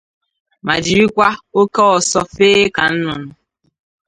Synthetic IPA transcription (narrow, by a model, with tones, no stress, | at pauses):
ma˨d͡ʒi˨ɾi˦kʷa˦o˦ke˦ɔ˨sɔ˦feː˦ka˨n̩˦nʊ˨nʊ˦